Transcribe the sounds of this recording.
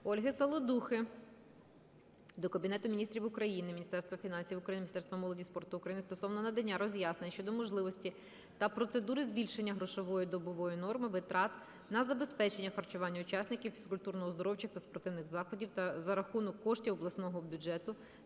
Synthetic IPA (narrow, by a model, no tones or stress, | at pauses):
ɔlʲɦɪsɐlˠɔd̪uxɪ | d̪ɔkɐbʲinɛt̪ʊmʲnʲist̪ɾʲiwʊkɾɐjinɪmʲinʲist̪ɛrst̪ʋɐfʲinɑnʲsʲiwʊkɾɐjinmʲnʲist̪ɛrst̪ʋɐmɔlˠɔdʲispɔrt̪ʊʊkɾɐjinɪst̪ɔsɔwnɔnɐd̪ɐnʲːaɾɔzʲjɑsnenʲʃt͡ʃɔd̪ɔmɔʒlˠɪʋɔsʲtʲi | t̪ɐpɾɔt̪sed̪uɾɪzʲbʲilʲʃenʲːɐɦɾɔʃɔʋɔjʊd̪ɔbɔʋɔjinɔrmɪʋɪt̪ɾɑt̪ | nɐzɐbe̞spɛt͡ʃenʲːɐxɐrt͡ʃʊʋɑnʲːɐʊt͡ʃɑsʲnɪkʲiwfʲi̥skʊlʲt̪urnɔɦɔzd̪ɔɾɔwt͡ʃɪxt̪ɐspɔɾt̪ɪwnɪɣzɑxɔdʲiwt̪ɐzɐɾɐxunɔkːɔʃtʲiɔblˠɐsnɔɦɔbʲʊd͡ʒɛt̪ʊ